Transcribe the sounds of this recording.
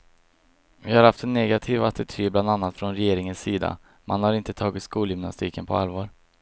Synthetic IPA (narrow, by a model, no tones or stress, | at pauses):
vɪhaɾhaft̪ɛnːɛɡat̪ʰiːvat̪ɪt̪ʰyːbland̪anːat̪fɾɔnɾɛjeːɾɪŋənsiːd̪a̰ | manhaɾɪnt̪ət̪ʰɑːɡɪt̪skuːljʏmna̰st̪ʰiːkənpʰɔalvɑːɾ